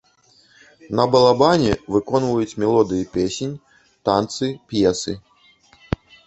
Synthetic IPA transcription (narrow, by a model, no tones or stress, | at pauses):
nɐbɐlˠabanʲɛvɨkɔnvɐjut͡sʲmʲɛlˠɔd̪ɨjipʲesʲenʲ | t̪ant̪sɨpʲjɛsɨ̰